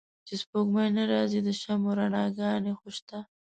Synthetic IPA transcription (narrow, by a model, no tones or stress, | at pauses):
t͡ʃespoɡmajnaɾɑzid̪əʃamoɾanɑɡɑnexoʃt̪a